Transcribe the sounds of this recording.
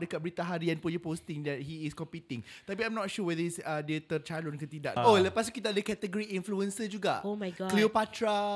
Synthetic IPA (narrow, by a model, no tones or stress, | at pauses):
dəkat̪̚bəɾit̪aɦaɾianpunupost̪ɪŋdɛt̚ɦiːskɔmpit̪ɪ̃ŋt̪apiãjmnɔt̚ʃuwɛðəisədiət̪ərt͡ʃalʊnkət̪ida̰ʔoləpas̬t̪ukit̪aadəkɛt̪əɡoɾiinfluənsəd͡ʒuɡa̰ʔomajɡɔkliwpatɾa